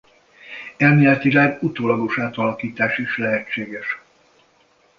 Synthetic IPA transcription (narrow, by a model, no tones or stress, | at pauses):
ɛlmeːlɛt̪ʋilaːɡut̪oːlɒɡo̞ʃaːt̪ɒlɒkiːt̪aːʃiʃlɛɦɛt͡ʃːeːɡɛʃ